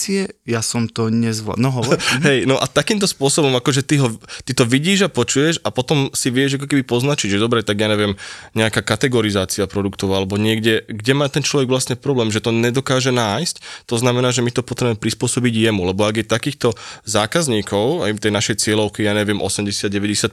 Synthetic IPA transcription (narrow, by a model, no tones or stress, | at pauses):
iɛjasɔmt̪ɔɲɛzʋla̰nɔɦɔɦɛjnɔʔat̪akiːmt̪̬ɔspʊɔsɔbɔmakɔʒɛt̪iɦɔt̪it̪ɔʋiɟiːʒapɔt͡ʃujɛʃapɔt̪ɔmsiʋɪɛʒak̬ɔk̬ɛbipɔznat͡ʃiɟʒɛd̪ɔbɾɛt̪aɡjaːɲɛʋɪɛmɲɛakaːkat̪ɛɡɔɾizaːt͡siapɾɔd̪ukt̪ɔʊalɛbɔɲɪɛɡɟɛɡɟɛmaːt̪ɛnt͡ʃlɔʋɛɡʋlasɲɛpɾɔblɛːmʒɛt̪ɔɲɛd̪ɔkaːʒɛnaːjsct̪ɔznamɛnaːʒɛmit̪ɔpɔt̪ɾɛbɛmɛpɾispʊɔsɔbiɟjɛmulɛbɔaɡjɛt̪akiːxt̪ɔzaːkazɲiːkɔʊajt̪ɛjnaʃɛjt͡sɪɛlɔʊkijaːɲɛʋɪɛmʔɔsɛmɟɛsɪad̪̚ɟɛʋɛɟɛsac̚